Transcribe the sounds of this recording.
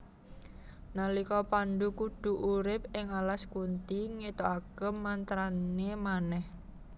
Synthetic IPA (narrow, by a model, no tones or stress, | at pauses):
nalikɔpanɖukuɖ̪̥ṳʔuɾɪp̚ɪŋalaskunt̪iŋet̪oaɡ̥əmːant̪ɾanemanɛh